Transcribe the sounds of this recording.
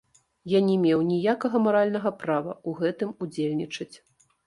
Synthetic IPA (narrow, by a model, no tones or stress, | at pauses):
janʲɛmʲeɛwnʲijakɐɣɐmaɾalʲnɐɣɐpɾavɐuɣɛt̪ɨmud͡zʲelʲnʲit͡ʂɐt͡sʲ